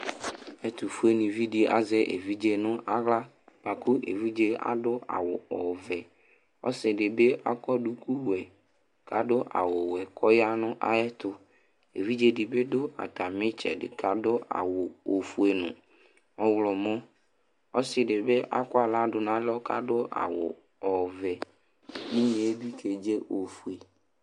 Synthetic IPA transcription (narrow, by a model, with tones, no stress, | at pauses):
ɛ˦t̪u˨fu˦e˦nĩ˨vi˦ɖi˨a̰˦zɛ˦ʔḛ˨vi˦d͡ʒe˦nʊ̃˦ʔa˦ɣla˦ | ba˨ku˦ʔḛ˨vi˦d͡ʒe˦a̰˨dʊ˦a̰˨wʊ˨ɔ˨vɛ˨ | ɔ̰˦sɪ˨ɖɪ˨be˦ʔa̰˦kɔ˦ɖu˦ku˦wɛ˨ | ka˨dʊ˦ʔa̰˨wʊ˨wɛ˨kʰɔ˦ja˦nʊ̃˦ʔa̰˦ɛ˦t̪ʊ˦ | ḛ˨vi˦d͡ʒe˦ɖɪ˨be˦dʊ˦a̰˨t̪a˨mɪ̃˦t͡ʃɛ̰˨ɖɪ̰˨ka˨dʊ˦a̰˨wʊ˨o˨fu˨e˨nʊ̰̃˨ | ɔ˨wlɔ˨mɔ̃˦ | ɔ˦sɪ˨ɖɪ˨be˦ʔa̰˦kɔ˦a˨la˦dʊ˨nã˦lɔ˦ka̰˦dʊ˦ʔa̰˨wʊ̰˨ | ɔ˨vɛ˨ | nĩ˦ɲẽ˨e˦bi˦kʰe˨d͡ʒe˦ʔo˨fu˨e˨